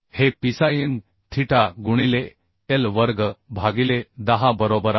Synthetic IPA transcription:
hepisajin | t̪ʰiʈaɡuɽ̃ile | elʋəɾɡbʱaɡiled̪aɦabəɾobəɾa

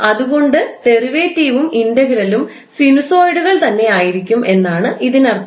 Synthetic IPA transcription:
ɐðuɣo̞ɳɖɨt̪e̞riʋeːtːiːʋumindɐɣiɾɐlum | sinuso̞ːjɽuɣɐɭt̪ɐnːe̞aːjiɾikʲːumʔe̞nːaːɳɨʔiðinɐr

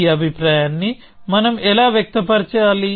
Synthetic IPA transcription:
ɐbʱipɾaːjaːnːi | mɐnɐmɛlaːʋjɐk̚t̪ɐpɐɾt͡ʃɐaːli

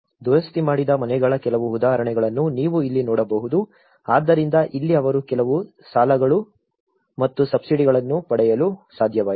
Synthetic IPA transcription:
d̪uɾɐst̪imaːɽid̪ɐmɐnɛɡɐɭɐkɛlɐʋuːd̪aːɦɐɾɐɳɛɡɐɭɐnːuniːʋuilːinɔːɽɐbɐɦud̪u | aːd̪ːɐɾind̪ɐʔilːiɐʋɐɾukɛlɐʋu | saːlɐɡɐɭu | mɐt̪ːusɐbsiɽiɡɐɭɐnːupɐɽɛjɐlusaːd̪ʱjɐʋaː

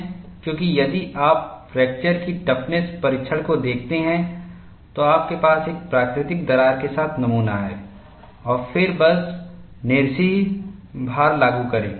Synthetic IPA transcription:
kjõːkijɐd̪iʔaːpfɾɛːk̚t͡ʃəɾkiʈɐpʰnespɐɾɪt͡ʃʰəɽkod̪eːk̚ʰt̪eɦɛ̃ | t̪oaːp̚kepaːseːk̚pɾaːkɾɪt̪ɪk̚d̪ɐɾaːɾkesaːt̪ʰnɐmuːnaɦɛ̰ː | ɔːɾfɪɾbɐs | nɪːɾʃi | bʱaːɾlaːɡukɐɾḛ̃ː

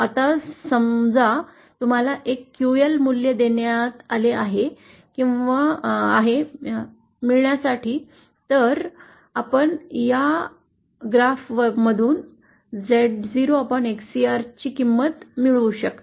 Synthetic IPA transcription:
at̪asəmd͡za | t̪um̤alaʔekːjuelmuljəd̪eɳjat̪aleaɦe | kĩw̃ʋaaɦe | miɭɳjasaʈiː | t̪əɾ | apəɳja | ɡɾafʋəməd̪ʱuːn | d͡zeʈd͡ziɾoapəɳeksiaɾt͡ɕiːkimːət̪miɭuɕək̪

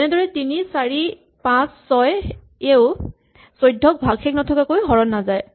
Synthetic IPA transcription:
ɛnɛdɔɹɛtinisaɹi | pãsːɔj | eʊ | sojdʱːɔk̚bʱaɡxɛknɔtʰɔkakojɦɔɹɔnːazaj

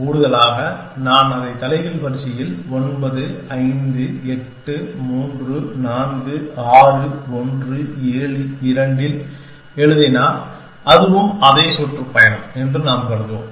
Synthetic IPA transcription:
kuːɽɯðɐlaːɣɐ | naːnɐðɐɪt̪ːɐlɐɪɣɪɭpɐɾt͡ʃɪjɪlɔnbɐðɯɐɪnd̪ɯɛʈːɯmuːndrɯnaːnɡɯaːrɯɔndrɯeːɭɯɪɾɐɳɖɪl | ɛɻɯðenaːɾ | ʔɐðɯʋɯmɐðeːsɔʈrɯpːɐjɐnɛndrɯnaːmkɐɾɯðo̰ːm

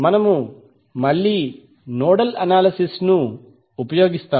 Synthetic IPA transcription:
mɐnɐmu | mɐɭːiː | noːɽɐlɐnaːlɐsisnuː | pɐjo̞ːɡist̪aː

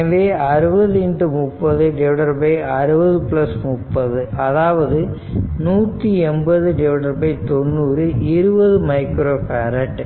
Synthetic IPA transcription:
ʋeɐɾɯbɐðɯiɳɖɯmupːɐðɯɖɛʋɽɐɾbɐɪɐɾɯbɐðɯplɐsmʊpːɐðɯʔɐðaːʋɐðɯ | nuːt̪ːiɛmbɐðɯɖɛʋɽɐɾbɐɪt̪onːuːɾɯiɾɯbɐðɯmɐɪkɾoːpɐːɾɐʈː

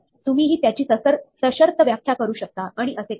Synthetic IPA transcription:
t̪umiːɦiːt̪jat͡ɕiːəəɾsəɕəɾt̪ʰəʋjakʰjakəɾuːɕək̚t̪aaɽ̃iʔəse

